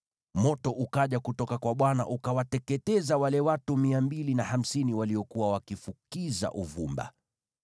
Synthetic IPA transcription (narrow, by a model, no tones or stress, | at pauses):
mɔtɔʔukaʄakutɔkakwaɓwana̰ʔukawatɛkɛtɛzawalɛwatumiambilinaham̩siniwaliɔkuwawakifukiza̰ʔuvumba̰